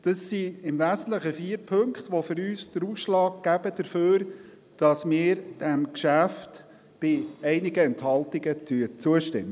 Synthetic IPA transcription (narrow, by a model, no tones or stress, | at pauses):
d̥əsːiɪmvæːsən̩t̪ləχəfiːɾpʰɵŋkχtʋofʏɾyːsd̥əɾuːsʃlɑːk̚ɡæb̥əd̥əɾføːɾ | d̥ɑsmɪːɾd̥ɛmkʃæft | b̥ɪɛɪnɪɡəɛnthɑltɪɡətʰyət͡suəʃtɪ̰mːə